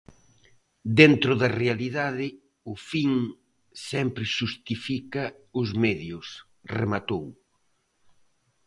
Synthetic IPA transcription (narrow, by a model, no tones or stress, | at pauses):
d̪ent̪ɾʊðɐrealiðaðɪ | ʊfiŋ | sɛmpɾɪʃust̪ifikɐʊzmɛðjʊs | remat̪ow